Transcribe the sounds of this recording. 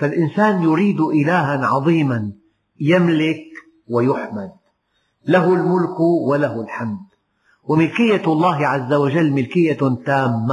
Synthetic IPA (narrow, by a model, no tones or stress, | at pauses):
falʔɪnsaːnjʊɾiːd̪ʔɪlaːɦanʕɑðˤiːman | jamlɪk | wajʊħmad̪̚ | laɦʊlmʊlkwalahʊlħamd̪ | wɪmɪlkɪjːalˤːɑːɦɪʕazːawaʒalːmɪlkɪjːat̪aːmːa